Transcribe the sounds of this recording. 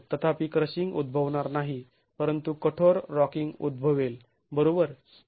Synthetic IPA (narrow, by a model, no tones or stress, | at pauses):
t̪ət̪ʰapikɾəɕiŋɡṵd̪̚bʱəʋɳaɾnaɦi | pəɾənt̪ukəʈʰoɾːɔkiŋɡṵd̪̚bʱəʋel | bəɾobəɾ